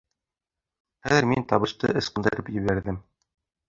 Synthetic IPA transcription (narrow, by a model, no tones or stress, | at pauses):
χæðɘ̆ɾmint̪ɑβɤ̆ʃt̪ɤ̰ʔɤ̆sqɤ̆nd̪ɘ̆ɾɤpjɘ̆βæɾðɘm